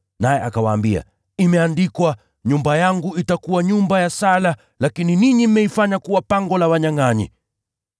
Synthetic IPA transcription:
najɛʔakawaːmbia̰ | imɛandikwa | ɲumbajaŋɡuitakuwaɲumbajasala | lakininiɲim̩mɛifaɲakuwapaŋɡɔlawaɲaŋaɲḭ

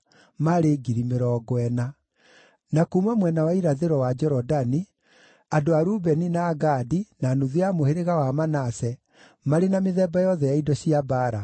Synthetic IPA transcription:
maɾeɡiɾimeɾɔːɡwɛna | nakumamwɛnawaiɾaðeɾɔwad͡ʒɛɾɔdani | adoaɾubɛninaːɡadinanuðeamoheɾeɣawamanasɛ | maɾenameðɛbajɔðɛjaidɔɕiabaɾa

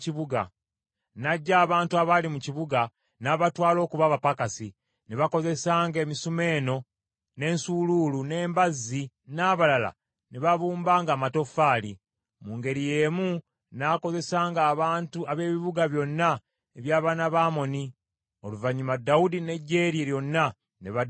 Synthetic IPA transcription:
ciβuɡa̰ | naɟːaːβaːntuaβalimuciβuɡa | naβatwaːlo̞ːkuβaβapakasi | neβako̞ze̞saːŋɡe̞ːmisume̞ːno̞ | ne̞ːnsululune̞ːmbazːi | naːβalala̰ | neβaβuːmbaːŋɡaːmato̞faːli | muːŋɡe̞ɾije̞ːmu | nako̞ze̞saːŋɡaːβaːntuaβe̞ːβiβuɡaβjo̞nːa | eβjaːβanaβaːmo̞ni | o̞̰luvaɲːumadːaudine̞ɟːe̞ːɾieljo̞nːa | neβa

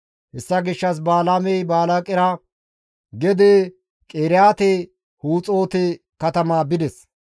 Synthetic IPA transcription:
hɛsːɐɡɪʃːɐs̬baːlamɛjbaːlakʼɪɾɐ | ɡɛd̪e | kʼeːɾɪjaːt̪ɛ | huːt͡sʼo̞ːt̪ɛ | kɐt̪ɐmaːbɪd̪ɛs

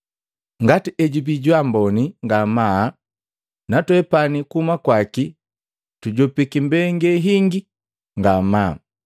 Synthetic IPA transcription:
ŋɡatiʔɛɟubiɟwambɔniŋɡama | natwɛpanikumakwaki | tuɟɔpikimbɛŋɡɛɦiŋɡi | ŋɡamaː

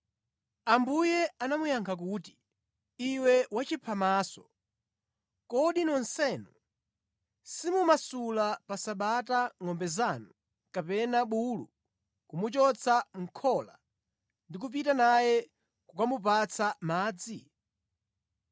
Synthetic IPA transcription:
ambujɛanamujaŋkʰak̬uːti̥ | iwɛwat͡ʃipʰamaːsɔ | kɔɗinɔnsɛnu | simumasulapasaɓataŋɔmbɛzanu | kapɛnaɓulu | kumut͡ʃɔt͡sʰaŋ̩kʰɔla | ndik̬up̬itanajɛ | kukamupat͡sʰamaːd͡zi

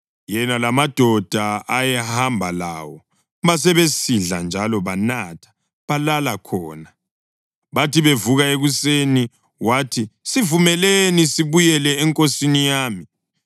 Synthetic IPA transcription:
jɛnalamad̥ʱɔd̥ʱaajɛhambʱala̰ːwɔ | βas̬ɛβesiɮand͡ʒʱalɔβanatʰḁ | βalalakʰɔ̰ːna | βatʰiβevuɣaeɣuseni | watʰisivumɛlenisiβujɛlɛːŋkʼosinijaːmi

